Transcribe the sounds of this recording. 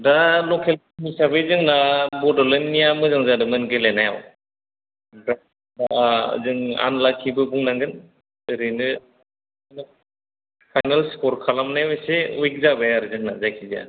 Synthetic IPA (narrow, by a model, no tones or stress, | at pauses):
dalɔkʰelkmisabɯjzɯŋnabɔdɔlɯnːijamɯzaŋzadɯmɯnɡɯlenajaw | da | daa̰zɯŋa̰nlakʰːibɯbuŋnaŋɡɯn | ɯɾɯnɯ | na | pʰajnalskɔɾkʰalamnajɯjseujk̚zabajaɾɯzɯŋnazajkʰiza̰